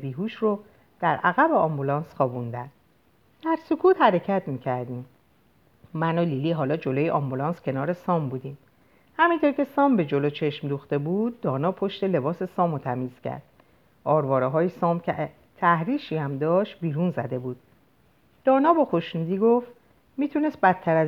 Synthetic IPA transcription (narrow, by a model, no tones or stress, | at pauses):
biːɦuʃro | d̪̥æɾʔæɣæbeɒːmbulɒːnsxɒːbund̪ænd̥̪ | d̪̥æɾsokʰuːt̪hæɾe̞cʰæt̪ʰmiːcʰæɾd̪iːm | mænoliliːɦɒːlɒːd͡ʒo̞lojeʔɒmbulɒːnscʰe̞nɒːɾe̞sɒːmbuːd̪iːm | hæmint̪ʰoɾcʲʰe̞sɒːmbe̞d͡ʒo̞lot͡ʃʰe̞ʃmd̪uxt̪e̞buːd̪̚ːɒːnɒːpʰo̞ʃt̪e̞le̞bɒːse̞sɒːmot̪ʰæmiːz̥cʰæ̰ɾd̪̥ | ʔɒːɾvɒːɾeɦɒːjesɒːmcʲʰe | t̪ʰæhɾiːʃiːhæmd̪ɒːʃt̪̚biːɾunzæd̪e̞buːd̪̥̚ | d̪̥ɒːnɒːbɒːxoʃnud̪iːɡo̞ft̪ | miːt̪ʰune̞st̪̚bæt̪̚ʰːæɾæz